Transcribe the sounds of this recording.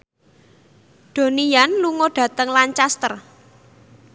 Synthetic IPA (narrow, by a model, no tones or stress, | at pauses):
ɖ̪̥o̤nianluŋoɖ̥ä̤t̪əŋlaɲt͡ʃast̪ər